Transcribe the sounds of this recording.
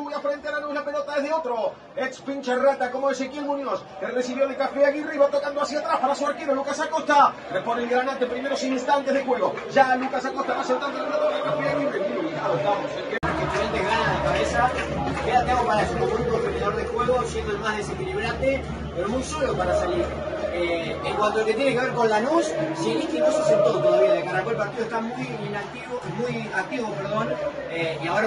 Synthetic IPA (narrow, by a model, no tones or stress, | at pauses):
mujafɾent̪eaɾanoezlapelot̪aðezðeot̪ɾo | etspinʲt͡ʃerat̪akomoesekielmũnjoskeresiβjoðekafeaɣireiβat̪okand̪oasiat̪ɾaspaɾasuaɾkiβolukasakost̪a | reponelɣɾanant̪empɾimeɾosejsist̪ant̪e̞zðexweɣ̞o | ʒalukasakost̪aβaseot̪ɾat̪ɾeɾaðoɾekafeaɣiremuolinaoβamosekekefeeld̪eɣanaðakaβesakeat̪emopaɾaesunoɣɾũofeniðoɾðexwe̞ɣosjend̪oelmaɦðe̞sekiliβ̞ɾat̪e | peɾomujsolopaɾasaliɾ | e | eŋkwant̪oelke̞t̪jeneke̞βeɾko̞nlanussielitinosesent̪ot̪oðaβiaðekaɾakwoelpaɾt̪iðoest̪amujinakt̪imujak̚t̪iβopeɾðo̞neiaoɾa